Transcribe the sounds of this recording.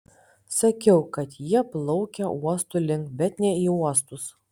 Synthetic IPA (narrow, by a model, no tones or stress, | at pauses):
sɐkʲɛʊkɐt̪jiɛplˠɔʊkʲɛʔuɔst̪ulʲɪŋkbʲɛt̪nʲɛiːuɔst̪ʊs